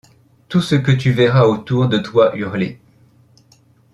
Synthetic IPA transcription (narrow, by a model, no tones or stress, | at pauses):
t̪usəkət̪yvɛʁaot̪uʁd̪ət̪waʔyʁle